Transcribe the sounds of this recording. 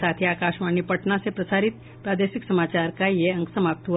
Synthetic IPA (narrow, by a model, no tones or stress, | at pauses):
aːt̪ʰiaːkaːʃmaːnipɐʈnãsepɾɐsaːɾɪt̪̚ | pɾaːd̪eːʃɪksɐmaːt͡ʃaːɾkajeɐ̃ŋksɐmaːp̚t̪ɦu